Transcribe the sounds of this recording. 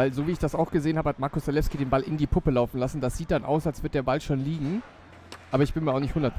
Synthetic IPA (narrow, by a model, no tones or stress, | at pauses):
vaɪlzoːviːɪçd̥asaʊxɡ̥əzeːənhaːbəhatmaɐkʊsz̥alɛfskiːdeːnbalɪndiːpʰʊpəlaʊfn̩lasn̩d̥asz̥iːt̚d̥anʔa̰ʊsalsv̥ɪɐt̚d̥eːɐbalʃoːnliːɡŋ̩ | ʔaːbɐɪçb̥ɪnmiːɐaʊxnɪçthʊndɐt̚p